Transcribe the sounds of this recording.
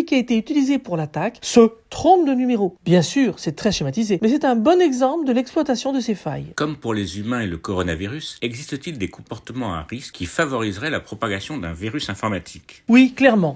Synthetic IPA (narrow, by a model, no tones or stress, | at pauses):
kʲiaet̪eyt̪ilizepuʁlat̪aksət̪χɔ̃bd̪ənymeʁobjɛ̃syːʁsɛt̪χɛʃimat̪izemɛsɛt̪ɛ̃bɔnɛɡzɑ̃pləd̪əlɛksplwat̪asjɔ̃d̪əsefa̰jkɔmpuʁlezymɛ̃eləkɔʁɔnaviʁysɛɡzist̪ət̪ild̪ekɔ̃pɔʁt̪əmɑ̃a̰ʁiskkʰʲːifavɔʁizʁɛlapχɔpaɡasjɔ̃d̪ɛ̃viʁysɛ̃fɔʁmat̪ʰi̥kwiklɛʁmɑ̃